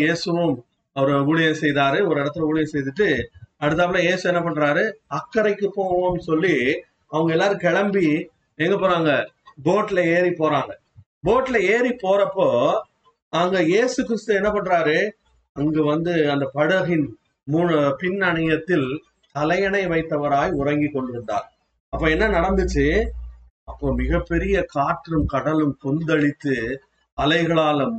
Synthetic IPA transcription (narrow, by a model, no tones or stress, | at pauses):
eːsɯʋɯm | ɐʋɐɾɯʊɭɪjɐ̃sɛjðaːɾɯɔɾɯɪɽɐt̪ːɪlɐʊɻɪjɐ̃sɛjðɯʈːɯɐɽɯt̪̬ːaːpɐlãːjeːsɯɛnːɐp̬ɐɳːɾaːɾɯɐkːɐɾɐɪkːɯpoːʋoːmsɔlːi | ɐʋɐŋɡɐɛlːaːɾɯkɛɻɐmbi | ɛŋɡɐpoːɾaːŋɡɐ | boːʈːlɐeːɾipːoːɾaːŋɡɐ | boːʈːɪlɐeːɾipoːɾɐpːoː | naːŋɡɐjeːsɯkːɪɾɪst̪ɯɛnːɐp̬ɐɳːɯɾaːɾe | ɐŋɡeːʋɐnd̪ɯɐnd̪ɐpɐɽɯɐɣɪn | muːnpɪnːɐɳɐjɐt̪ːɪl | t̪ɐlɐjɐɳɐɪʋɐɪt̪ːɐʋɐɾaːjʊɾɐŋɡikːɔɳɖɪɾɯnd̪a̰ːɾ | ɐpːoːɛnːɐnɐɽɐnd̪ɯt͡ʃːɯ | ɐpːoːmɪɣɐpːɛɾɪjɐkaːʈɾɯmkɐɽɐlɯmkɔnd̪ɐɻɪt̪ːɯ | ɐlɐɪɣɐɭaːlɯm